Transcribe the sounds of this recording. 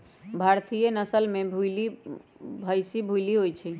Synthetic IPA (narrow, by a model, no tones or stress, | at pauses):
bʱaɾt̪ijənəsəlmẽbʱuli | bʱəjsibʱujliɦojt͡ʃʰi